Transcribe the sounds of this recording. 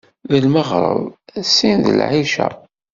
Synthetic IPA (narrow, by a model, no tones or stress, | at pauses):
ðəlməʁɾˤə̰ðˤæsːinðə̰lʕiʃæ̰